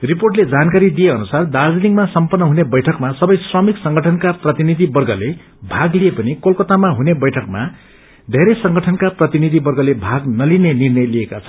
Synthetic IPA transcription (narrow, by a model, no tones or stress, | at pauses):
riporʈled͡zankaɾid̪ijeʌnusard̪ard͡zliŋɡmasʌmpʌrːʌɦunebʌjʈʰʌkmasʌbʌjsrʌmiksʌŋɡʱʌʈʰʌnkaprʌt̪inid̪ʱibʌrɡʱʌle | bʱaɡlijepʌnikolkʌt̪amaɦunebʌjʈʰʌkma | d̪ʱeɾʌjsʌŋɡʌʈʰʌnkaprʌt̪inid̪ʱibʌrɡʌlebʱaɡnʌlinenirnʌjliekat͡sʰʌ̥n